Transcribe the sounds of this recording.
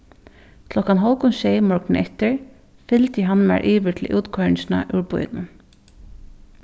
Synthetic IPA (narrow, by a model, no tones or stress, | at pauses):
kʰlɔkanɦɔlkʊnʃejmɔɹknɪnʔɛht̪ɪɹ | fɪlt̪jɪɦanːmæ̰ɹʔiːʋɪt̪ʰlɪ̰ʔuːt̪kʰɔʏɪsɪna̰ʔʉɹpʊ̰jt̪nʊn